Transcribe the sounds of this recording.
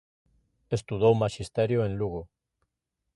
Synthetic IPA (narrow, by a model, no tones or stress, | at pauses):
est̪uð̞owmaʃist̪eɾjoẽnluɣo